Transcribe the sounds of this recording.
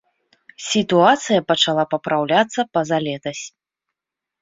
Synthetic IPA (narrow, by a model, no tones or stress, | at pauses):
sʲit̪uat̪sɨjɐpɐt͡ʂalˠapɐpɾawlʲat̪sːɐpɐzalʲɛt̪ɐsʲ